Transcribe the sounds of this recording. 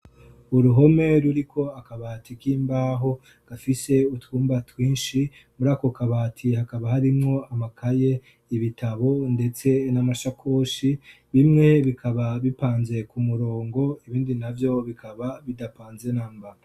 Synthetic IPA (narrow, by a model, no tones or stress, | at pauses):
uɾuɦo̞me̞ɾuɾikʰo̞akaβaːtʰikiːmbaːɦo̞ | ɡ̥afise̞uthuːmbatwiːnʃi | muɾaːko̞kaβaːtʰihakaβaɦaɾimŋo̞amakʰaje̞ | iβitʰaβo̞nde̞t͡se̞namaʃakʰo̞ʃi | βimŋe̞βikʰaβaβipaːnze̞kumuɾo̞ːŋɡo̞iβiːndinavjo̞βikʰaβaβidapaːnze̞naːmba